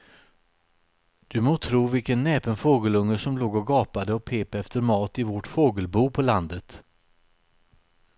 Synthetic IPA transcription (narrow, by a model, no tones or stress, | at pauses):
d̪̥ɵmoːt̪ʰɾuːvɪlkənːɛːpənfoːɡəlɵŋːəʂɔmloːɡɔɡɑːpad̪əɔpʰeːpɛft̪əɾmɑːt̪ɪvɔʈfoːɡəlbuːpʰɔland̪ət̪